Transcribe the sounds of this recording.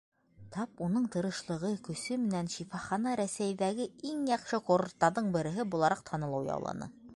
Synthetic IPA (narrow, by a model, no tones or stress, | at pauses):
t̪ʰɑpunɤɴt̪ɤ̆ɾɤ̆ʃlˠɤ̆ʁɤkɵ̆sɵmɘ̆nænʃifɑχɑnɑɾæsæjðæɡɘiŋjɑqʃɤqoɾŭt̪ːɑɾðɤɴbɘ̆ɾɘ̆ɦɘbulˠɑɾɑqt̪ʰɑnɤ̆lˠɤwjɑ̰wlˠɑ̰nɤ̰